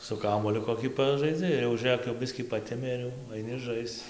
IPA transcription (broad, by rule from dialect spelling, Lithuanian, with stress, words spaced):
sʊ ˈkɑːmuɔlʲʊ koːˈkʲiː ˈpɑːʒɐɪd͡zʲɪ ɪr jɛʊ ˈʒɘk jɛʊ ˈbʲɪsʲkʲiː ˈpɑːtʲɛmʲeː ɪr ˈjɛʊ ɐɪˈnʲɪ ˈʒɐɪst͡s